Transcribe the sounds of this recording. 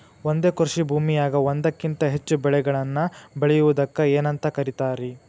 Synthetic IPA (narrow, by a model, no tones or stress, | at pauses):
ond̪e̞ːkuɾʂibʱuːmijaːɡɐʋond̪ɐkːint̪ɐɦe̞t͡ʃːubɛɭɛɡɐɭɐnːɐbeɭɛjuʋud̪ɐkːɐeːnɐnt̪ɐkɐɾit̪aːɾi